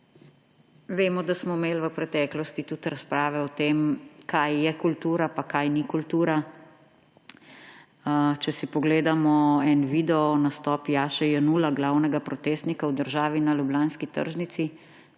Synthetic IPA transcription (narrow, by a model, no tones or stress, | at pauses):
ʋeːmɔd̪asmɔmeːlʋəpɾɛt̪ɛːklɔst̪it̪ut̪ɾaspɾaːʋɛɔt̪eːmkʰajːɛkult̪uːɾapakajnikult̪uːɾa | t͡ʃɛsipɔɡleːd̪amɔɛnʋiːd̪ɛɔnast̪ɔːpjaːʃɛjɛnulaɡlaːwnɛɡapɾɔt̪eːst̪nikawd̪əɾʒaːʋinalublaːnskit̪ə̰ɾʒnit̪si